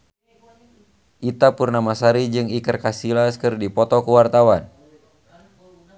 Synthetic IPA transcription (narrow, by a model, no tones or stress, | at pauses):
ʔit̪apurnamasaɾid͡ʒɨŋikərkasilaskɨrdipɔt̪ɔkuwart̪awan